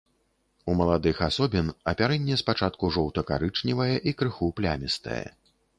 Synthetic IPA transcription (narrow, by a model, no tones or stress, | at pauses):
umɐlˠad̪ɨxasɔbʲinɐpʲaɾɛnʲːɛspat͡ʂat̪̚kuʐɔwt̪ɐka̰ɾɨt͡ʂnʲivɐjɛʔikɾɨxuplʲa̰mʲist̪ɐ̰jɛ̰